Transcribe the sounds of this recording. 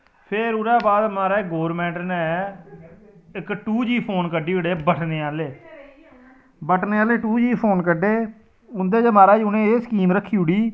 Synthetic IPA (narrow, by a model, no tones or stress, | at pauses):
pʰeɾʊɾɛːbaːd̪maːɾaːɪkɡoːɾmɛ̃ːɳʈnɛː | ɪkʈuːd͡ʒiːpʰoːnkəɖiːʊɽeːbəʈʰneːaːleː | bəʈʰneːaːleːʈuːd͡ʒiːpʰoːnkəɖeː | ʊnd̪eːd͡ʒəmaːɾaːd͡ʒʊnẽːeːskiːmɾəkʰːiːɦʊɽiː